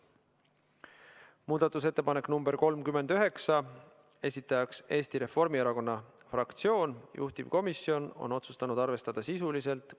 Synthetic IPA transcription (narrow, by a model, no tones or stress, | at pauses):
muːd̪̥ɑt̪ːˑus̬e̞t̪ːe̞pɑne̞knumb̥e̞ɾko̞lmkyme̞nd̪̥yɦe̞ksɑ | e̞sʲit̪ːˑɑjɑkse̞ːst̪iɾe̞fo̞rmieɾɑko̞nːɑ | frɑkt̪sio̞ːnjṵht̪iv̥ko̞misːio̞no̞̰no̞t̪su̥st̪ɑnud̪̥ɑrve̞st̪ɑd̪̥ɑsisulise̞lt̪ˑ